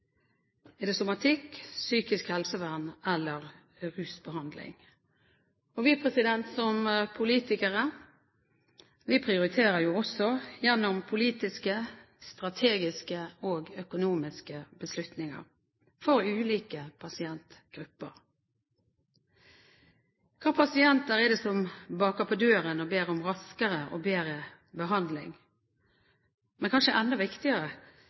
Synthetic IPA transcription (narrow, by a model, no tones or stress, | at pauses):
ɛːd̪ɛsʊmɑt̪ʰɪksyːkɪskhɛlsəʋæʁnɛlːəʁ | ʁʉːsbəhɑnd̪lɪ̰ŋ | ɔʋiːpʰʁɛsɪd̪ɛnt̪sɔmpʰʊliːt̪ɪkəʁə | ʋiːpʰʁɪʊɾɪt̪ʰeːʁəjuːɔsɔjɛnːɔmpʰʊliːt̪ɪskə | st̪ɾɑt̪ʰeːɡɪskəoːɡœkʊnuːmɪskəbəslʉt̪nɪŋɑ̰ʁ | fɔɾʉːliːkəpʰɑsɪɛnt̪ɡ̥ɾʉpːə̰ʁ | kʰɑːpʰɑsɪɛnt̪əɾɛd̪ɛːsɔmbɑːkɑpʰɔd̪øːɾənɔbeːɾʊmʁɑskəʁəʔo̰beːɾə | bəɦɑnd̪lɪ̰ŋ | mɛnkʰɑnʃəʔɛnd̪ɔʋɪkt̪ɪəʁə